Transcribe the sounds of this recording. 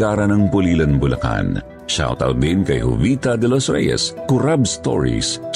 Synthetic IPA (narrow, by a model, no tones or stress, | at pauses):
aːɾɐnɐŋpʊliːlɐnbʊlɐ̰ka̰n | ʃa̰wt̪ɐ̰wd̪inkɐjhʊ̰vit̪ɐd̪ɛlosɹɛ̰jɛ̰skʊɾabst̪o̰ɹḭs